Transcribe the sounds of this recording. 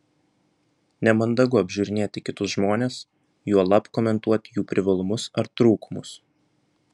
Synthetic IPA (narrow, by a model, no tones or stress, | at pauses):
nʲɛmɐnd̪ɐɡʊɐbʲʒʲuːɾʲɪnʲeːt̪ʲɪkʲɪt̪ʊsʒmoːnʲes | juɔlˠɐpkoːmʲɛnt̪uɔt̪ʲɪjuːpʲɾʲɪʋɐlˠʊmʊsɐɾt̪ɾuːkʊmʊs